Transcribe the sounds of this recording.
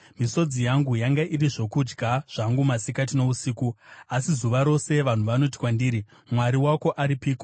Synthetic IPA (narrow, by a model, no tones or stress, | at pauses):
miso̞d͡zijaŋɡujaŋɡaʔiriʐo̞kud͡ʒɡʱaʐ̥aŋɡumasikat̬ino̞usiːkuasizuʋaɾo̞se̞ʋan̤uʋano̞t̬i̥kwandiːɾi | mwaɾiwako̞ʔaɾipiːko